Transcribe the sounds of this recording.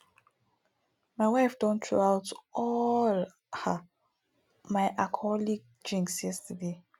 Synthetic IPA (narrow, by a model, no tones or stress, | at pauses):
maɪwaɪfdɔ̃ntʰɹo̰awtɔl | ha | maɪʔakʰɔliɡ̚ | d͡ʒĩŋksjɛstʰəde